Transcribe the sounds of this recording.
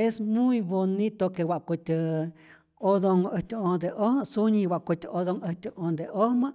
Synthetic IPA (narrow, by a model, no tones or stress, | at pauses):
esmũĩβonĩt̪okewaʔkut̪ʲɨ | oðoŋət̪ʲõnd̪eʔosuɲĩwaʔkut̪ʲɨoðoŋət̪ʲɨʔõnd̪eʔomãʔ